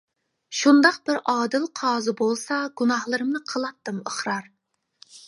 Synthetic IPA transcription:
ʃund̪ɑq̚bɪɾɑːd̪ɨlˠqʰɑːzɨbolˠsɑɡ̥unɑhlˠɨɾɨmnɨqʰəlˠɑt̪ːɨməχɾɑɾ

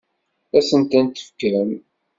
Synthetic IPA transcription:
æsənt̪ænt̪ə̥fə̥kɾəm

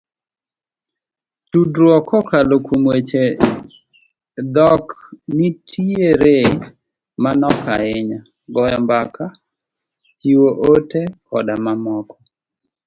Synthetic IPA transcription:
tudɾwɔkɔkalokumwet͡ʃe | d̪ɔknitʰieɾe | manɔka̰ɪɲa | ɡɔjɔmbaka | t͡ʃiwoʔotekʰɔ̰damamɔkɔ

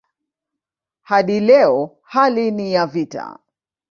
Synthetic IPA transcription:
haɗilɛɔ | halinijavita̰

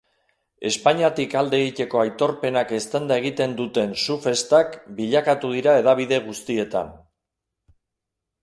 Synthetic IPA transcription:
e̞spaɲiat̪ikald̪e̞eɣit̪e̞ko̞ajt̪o̞ɾpe̞nake̞st̪end̪ae̞ɣ̞it̪e̞nd̪ut̪e̞nsufe̞st̪akbiʎakat̪uð̞iɾae̞ðaβ̞iðe̞ɣ̞ust̪ie̞t̪a̰n

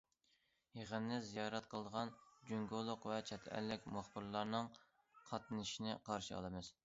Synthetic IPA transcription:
jeʁənːɪzijɑɾɛt̪̚qʰəlˠəd̪əʁɑnd͡ʒyŋɡolˠʊqvɛt͡ʃʰɛt̪ʰɛ̰lːɪkʲmɑχbɨɾlˠɑɾnɨŋ | qʰɑt̪nɨʃinɪqʰɑɾʃɨɑ̰lˠɨmɨz̥

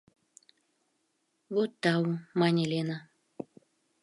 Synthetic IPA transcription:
βot̪ːɑumɑnʲelʲena

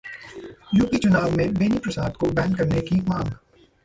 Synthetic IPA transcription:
jʊːkit͡ʃʊnaːʋmẽbeːnipɾɐsaːd̪kobɛ̃ːnkɐɾnekikmãːŋɡ

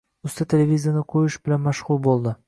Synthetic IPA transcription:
ʊst̪at̪ʰe̞lʲevʲizijanɪqʰojɪʃbɪlanmaʃʁʊlˠbolˠd̪ɪ

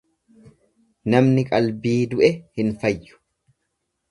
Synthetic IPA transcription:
nɐmnɪkʼɐlbiːd̪ʊʔɛhɪnfɐjːʊ̥

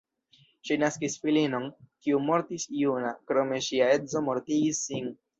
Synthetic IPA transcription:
ʃinaskisfilino̞nkiumo̞ɾtisijunakɾo̞me̞ʃiae̞zo̞mo̞ɾtiɡisːin

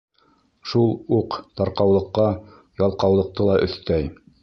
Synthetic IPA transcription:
ʃulˠuqt̪ɑɾqɑwlˠɤ̆qːɑ | jɑlˠqɑwlˠɤ̆q̚t̪ɤlˠɑʔɵ̆θt̪æj

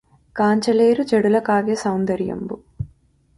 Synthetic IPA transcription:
kaːɲt͡ʃɐleːɾud͡ʒɐɽulɐkaːɡeːsɐwnd̪ɐɾjɐ̰mbu

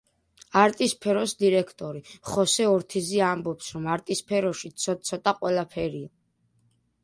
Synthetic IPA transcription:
aɾt̪ʼispʰɛɾɔsd̪iɾɛkʰt̪ʼɔɾiχɔsɛɔɾt̪ʰiziambɔpsɾɔmaɾt̪ʼispʰɛɾɔʃisʰɔsʰɔt̪ʼaqʼwɛlapʰɛɾia

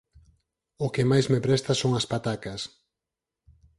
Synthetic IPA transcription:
ʊkɪmajzmepɾɛst̪ɐsoŋɐspat̪akɐs

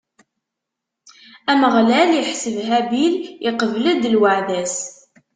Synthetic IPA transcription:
æməʁlæljəħsəvɦæbiliqəvləd̪lwaʕðæs

